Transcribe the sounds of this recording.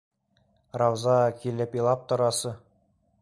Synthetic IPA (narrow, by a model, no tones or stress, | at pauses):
rɑwzɑkilɘpilˠɑp̚t̪ŏɾɑsɤ